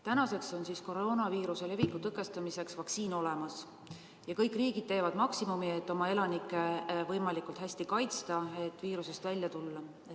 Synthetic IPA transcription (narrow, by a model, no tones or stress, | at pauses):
t̪ænɑse̞kso̞nsisko̞ro̞ːnɑviːɾuse̞le̞vikːˑut̪ɤkːˑe̞st̪ɑmise̞ksvɑksiːno̞le̞mɑs | jɑkɤjkːriːɡ̥id̪̚t̪e̞ːvɑd̪̥mɑksimumiet̪ːo̞mɑe̞lɑnikːˑe̞vɤjmɑlikult̪ɦæsʲt̪ikɑjt̪st̪ɑe̞t̪ːˑviːɾuse̞st̪vælʲjɑt̪ulːɑ